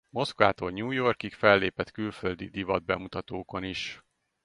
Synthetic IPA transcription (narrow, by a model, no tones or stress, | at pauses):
mo̞skvaːt̪olɲuːjo̞rkikfɛlːeːpɛt̪kylføld̪ḭd̪ivɒd̪̚bɛmut̪ɒt̪oːko̞niʃ